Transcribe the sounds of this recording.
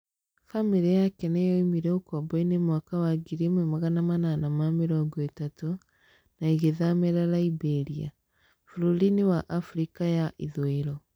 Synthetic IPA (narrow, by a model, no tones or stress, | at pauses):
famiɾijakɛnɛjɔimiɾɛokɔbɔinemwakawaɡiɾemwɛmaɣanamananamameɾɔːŋɡɔetato | naiɣeðameɾaɾaibɛɾia̰ | fuɾuɾinewaʔafuɾikajaʔiðoeɾɔ